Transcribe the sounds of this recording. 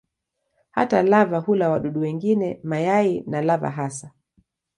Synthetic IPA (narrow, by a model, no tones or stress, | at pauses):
ha̰talavahulawaɗuɗuwɛŋɡinɛmajainalava̰ɦasa